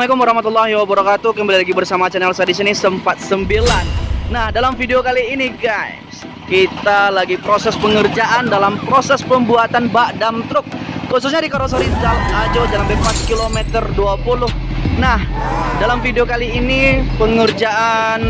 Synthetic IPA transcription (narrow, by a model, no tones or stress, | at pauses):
lekʊməɾɑhmat̪ulːaɦiwabəɾɑkat̪ukəmbalilaɡibərsamat͡ʃɛnɛlsadisinisəmpat̪̚səmbilanːahdalamfideokaliːniɡajs | kit̪alaɡipɾosɛspəŋərd͡ʒaʔandalampɾosɛspəmbuat̪anbaʔdamt̪ɾʊk̚ːususɲadikaɾos̬oɾinzalŋad͡ʒod͡ʒalambepat̪̚kilomɛt̪ərduapulʊhnahdalamfideokaliːnipəŋərd͡ʒaʔan